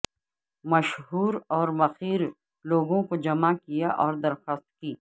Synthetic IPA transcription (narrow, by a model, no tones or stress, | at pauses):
mɐʃɦuːɾɔːɾmɐxiːɾ | loːɡõkod͡ʒɐmakijaʔɔːɾd̪ɐɾxaːst̪̚kiː